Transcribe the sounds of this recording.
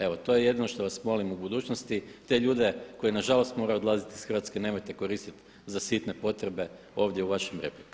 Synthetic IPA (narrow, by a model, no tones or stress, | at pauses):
e̞ʋo̞t̪o̞je̞je̞d̪ino̞ʃt̪o̞ʋasmo̞limubud̪uːt͡ʃnost̪it̪e̞ʎuːd̪e̞ko̞jenaʒalo̞st̪mo̞ɾajuod̪lˠazit̪isxr̩ʋat̪skene̞ːmojt̪e̞ko̞ɾiːst̪it̪ | zasit̪ne̞po̞t̪ɾe̞be̞ | o̞ʋd̪jeuʋaʃemɾe̞̰pliko